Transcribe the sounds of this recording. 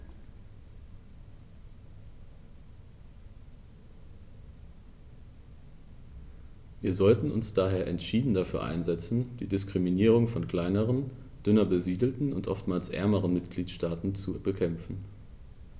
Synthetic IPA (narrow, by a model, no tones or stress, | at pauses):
viːɐzɔltn̩ʊ̰nsd̥aːɦeːɐʔɛntʃiːdn̩dafyːɐʔa̰ɪnzɛt͡sn̩d̥iːdɪskʁ̥iminiːʁ̞ʊŋfɔnkl̥aɪnəʁən | d̥ʏnɐbəziːdl̩tn̩ʊntʔɔ̰ftmaːlsʔɛ̰ɐməʁənmɪtɡ̥liːtʃtaːtn̩t͡subəkʰɛmfn̩